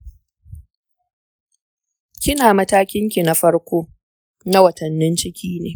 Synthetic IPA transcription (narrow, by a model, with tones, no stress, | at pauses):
kʲɪ˦naː˨mɐ˦taː˦kʲɪ˦ŋkʲi˨na˦ɸɐ˦ɽkʷoː˦ | na˦wɐ˨tɐ˨nːɪ˦nt͡ʃɪ˦kʲiː˦nḛː˨